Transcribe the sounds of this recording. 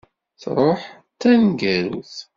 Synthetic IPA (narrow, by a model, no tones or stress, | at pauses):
θɾˤoħ | t̪ːænɡæɾuθ